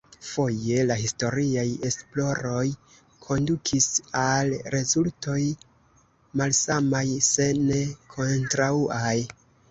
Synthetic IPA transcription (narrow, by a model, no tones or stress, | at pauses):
fo̞je̞laɦisto̞ɾiaje̞splo̞ɾo̞j | kʰo̞ndukʰisalɾe̞zulto̞j | malsamajse̞ne̞kʰo̞ntɾauʔaj